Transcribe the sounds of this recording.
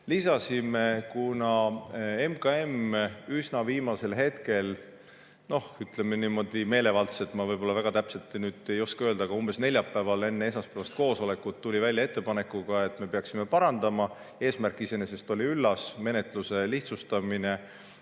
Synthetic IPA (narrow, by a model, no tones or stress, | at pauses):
lisɑsime̞kunɑe̞mkɑe̞mysnɑviːmɑse̞lɦe̞t̪ke̞l | no̞hyt̪le̞meniːmo̞d̪̥ime̞ːle̞vɑlt̪se̞t̪ːˑmɑvɤjbo̞lːɑvæɡ̥ɑt̪æpse̞lt̪ːˑnyːd̪̥e̞jo̞skɑøld̪̥ɑɡ̥ɑumb̥e̞sne̞lʲjɑpːˑævɑle̞nːeesɑspævɑst̪̚ko̞ːso̞le̞kːut̪ːulʲivælʲjɑe̞t̪ˑːe̞pɑne̞kːˑuɡ̥ɑe̞t̪ːˑme̞peɑksime̞pɑɾɑnd̪̥ɑmɑ | e̞ːsmærkːˑise̞ne̞s̬e̞st̪o̞lʲiylːɑsme̞ne̞t̪ˑluse̞liht̪sust̪ɑmine̞